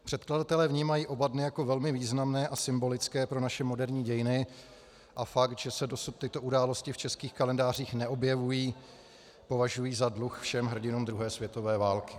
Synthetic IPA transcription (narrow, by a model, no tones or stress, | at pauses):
pr̥ɛt̪kladat̪ɛlɛːvɲiːmajiːʔo̞badnɪjako̞vɛlmɪviːznamnɛːʔasɪmbo̞lɪt͡skɛːpɾo̞naʃɛmo̞dɛɾɲiːɟɛjɪnɪ | ʔafakt̪ʒɛsɛdo̞sut̪ːɪt̪o̞ʔudaːlo̞scɪft͡ʃɛskiːxkalɛndaːr̝iːxnɛʔo̞bjɛvujiː | po̞vaʒujiːzadluxfʃɛmɦr̩ɟɪnuːmd̪ɾuɦɛːsvjɛt̪o̞vɛːvaːlkɪ̥